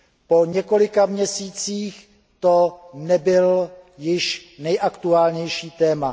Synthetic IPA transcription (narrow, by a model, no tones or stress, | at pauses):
po̞ɲɛko̞lɪkamɲɛsiːt͡siːx | t̪onɛbɪljɪʃnɛjʔakt̪uaːlɲɛjʃiːt̪ɛːma